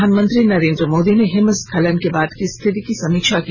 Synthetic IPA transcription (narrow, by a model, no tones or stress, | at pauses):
aːnmə̃nt̪ɾinɐɾẽːnd̪ɾəmoːd̪ineɦɪməskʰɐlənkebaːd̪kist̪ʰɪt̪ikisɐmiːkʃaki